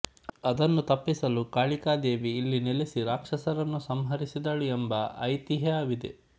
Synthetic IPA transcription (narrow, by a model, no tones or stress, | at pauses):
ɐd̪ɐnːut̪ɐpːisɐlukaːɭikaːd̪e̞ːʋiːlːinelesiɾaːkʂɐsɐɾɐnːusɐmɦɐɾisid̪ɐɭuembɐɐ̰jt̪iɦɐaːʋid̪e